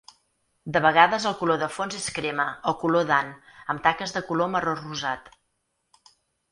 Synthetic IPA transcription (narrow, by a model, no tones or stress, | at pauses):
d̪əβəɣ̞aðəzəlˠkuloðəfonzeskɾeməɔkuloðanəmt̪akəzðəkuloməroruzat̪